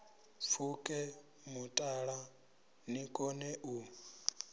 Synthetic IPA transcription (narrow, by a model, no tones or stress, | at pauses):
fʰukʼɛ | mutʼaɺa | nikʼɔnɛʔu